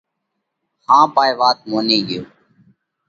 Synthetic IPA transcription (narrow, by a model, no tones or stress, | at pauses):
hãːpaːjːʋaːt̪̚moːnẽːɡɪjoː